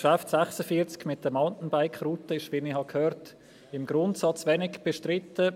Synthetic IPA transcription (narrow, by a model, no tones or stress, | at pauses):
ʃaftsaχsəfiət͡skmɪt̚dəmaʊntn̩baɪkχruːtəɪʃʋinihɑkʰhøːɾt | ɪmɡɾʊntsɑt͡svɛnɪɡb̥eʃtɾɪtːə